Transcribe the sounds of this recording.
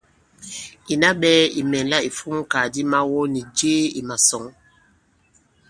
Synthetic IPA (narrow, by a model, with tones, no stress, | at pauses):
i˨na˦ɓɛː˦ḭ˨mɛ˨nla˦i˨fu˦m˦ka˨di˦ma˦wɔ˦ni˨d͡ʒeː˦i˨ma˨sɔ˨ŋ